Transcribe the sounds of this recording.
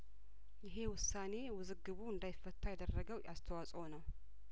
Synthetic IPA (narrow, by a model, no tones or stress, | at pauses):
jɪɦe̞wʊsːane̞wɨzɨɡːɨβuɨnd̪ajfət̪ʰːajɛd̪ərːəɡəwʔast̪ʰəwasʼonəw